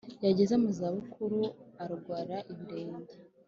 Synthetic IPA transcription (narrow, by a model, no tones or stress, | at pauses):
jaɟezemuzaβukʰuɾuaɾuɡwaːɾaʔiβiɾeːnda